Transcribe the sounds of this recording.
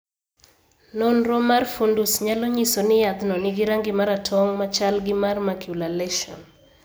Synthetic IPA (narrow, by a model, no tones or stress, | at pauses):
nonɾɔmarfundusɲaloɲisonɪjad̪nɔnɪɡɪɾaŋɡɪmaɾatʰɔŋmat͡ʃalɡɪmarmakʰjulalɛʃɔ̰n